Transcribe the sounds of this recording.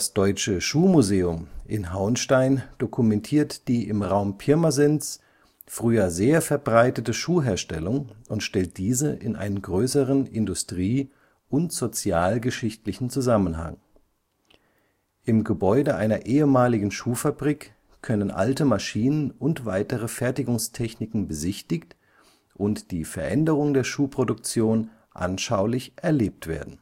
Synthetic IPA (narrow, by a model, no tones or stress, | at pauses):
d̥asd̥ɔʏt͡ʃəʃuːmuzeːʊmʔɪnɦaʊnʃtaɪnd̥okʰumɛntʰiːɐtd̥iːʔɪmʁaʊmpʰɪɐmazɛns | fʁ̥yːɐzeːɐfɛɐbʁaɪtətəʃuːɦeːɐʃtɛlʊŋʊntʃtɛlt̚d̥iːzəʔɪ̰nʔa̰ɪnənɡʁøːsəʁənɪndʊstʁ̥iː | ʔʊntz̥ot͡sjaːlɡəʃɪçtlɪçn̩t͡suzamənɦa̰ŋ | ʔɪmɡəbɔʏdəʔaɪnɐʔeːəmaːlɪɡŋ̩ʃuːfabʁiːk | kʰœnənʔa̰ltəmaʃiːnənʊntv̥aɪtəʁ̞əfɛɐtɪɡʊŋstʰɛçnɪkŋ̩bəzɪçtɪçt | ʔʊntd̥iːfɛɐʔɛndəʁʊŋdeːɐʃuːpʁ̥odʊk̚t͡sjoːn | ʔa̰nʃaʊlɪçʔɛɐleːp̚tv̥ḛːɐdn̩